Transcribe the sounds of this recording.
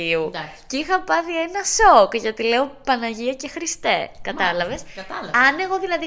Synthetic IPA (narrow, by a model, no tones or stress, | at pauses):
iu | ceixɐpɐθie̞nɐso̞kʝɐt̪ile̞o̞pɐnɐʝiɐcexɾist̪e̞kɐt̪ɐlɐve̞sɐɐne̞ɣo̞ðilɐði